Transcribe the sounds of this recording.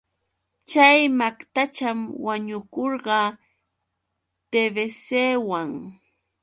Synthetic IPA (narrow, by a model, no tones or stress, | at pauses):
t͡ʃajmakt̪at͡ʃamwaɲʊkoɾɢɑ | t̪ebeseːwaŋ